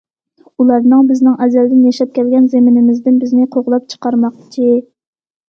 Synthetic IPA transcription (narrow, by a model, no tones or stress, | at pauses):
ulˠɑɾnɨŋbɪznɪŋʔɛzɛld̪ɪnjɛʃɛp̚kʲʰɛlɡʲɛnzemɪnɪmɪzd̪ɪnbɪznɪqʰoʁlˠɑp̚t͡ʃʰə̥qɑɾmɑqt͡ʃʰi